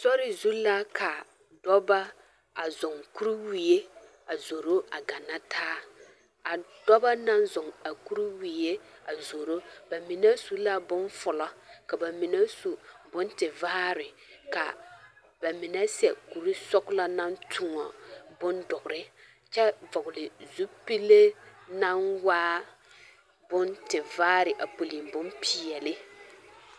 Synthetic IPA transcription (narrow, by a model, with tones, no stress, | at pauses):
sɔ˦ɾɪ˨zu˦la˦kʰa˨ | dɔ˦ba˦ | a˨zʊ˨ŋku˦ɾi˦wi˨je˦ | a˨zo˨ɾo˦a˨ɡa˨na˦tʰaː˦ | a˨dɔ˦ba˦na˦nzʊ˨ŋa˨ku˦ɾi˦wi˨je˦a˨zo˨ɾo˦ba˨mɪ˨nɛ˦su˦la˦bʊ˦nfʊ˨lɔ˦ka˨ba˨mɪ˨nɛ˦su˨bʊ˦ntɪ˨va˦ɾɪ˨ | ka̰˨ | ba˨mɪ˨nɛ˦sɛ˨ku˨ɾi˦sɔ˦kla˦na˦ntʰʊ˨ŋɔ˨bʊ˦ndʊ˨ɡʊ˨ɾɪ˦ | t͡ʃɛ˦vʊ˨ɡʊ˨lɪ˨zu˦pi˦lːe˦na˦nwaː˦ | bʊ˦ntɪ˨vaː˦ɾɪ˨ʔa˨po˨li˨mbʊ˦npʰi˨ɛ˨lɪ˦